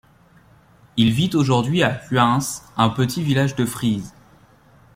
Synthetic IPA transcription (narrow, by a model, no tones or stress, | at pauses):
ilvit̪oʒuʁd̪ɥiafɥɛ̃sɛ̃pət̪ʰivilaʒd̪əfχiz